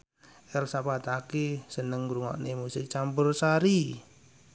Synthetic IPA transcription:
ʔɛlsapat̪akesənəŋɾuŋɔ̰ʔnemusɪt͡ʃampʊrsaɾi

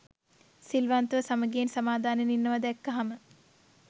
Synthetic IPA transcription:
silʋant̪əʋəsaməɡeːnsamaːd̪ʱaːneninːəʋɐd̪ɛkːɐɦamə

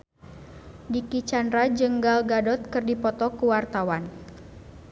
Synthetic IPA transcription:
dikit͡ʃandɾad͡ʒəŋɡalɡadɔt̪̚kɨrdipɔt̪ɔkuwart̪awan

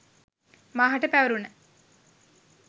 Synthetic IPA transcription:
maːɦɐʈəpæʋəɾunə

